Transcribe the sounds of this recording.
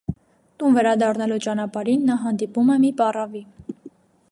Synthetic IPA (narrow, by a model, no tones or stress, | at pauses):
t̪unvɛɾɑd̪ɑrnɑlut͡ʃɑnɑpɑɾinːɑɦɑnd̪ipumɛmipɑrɑvi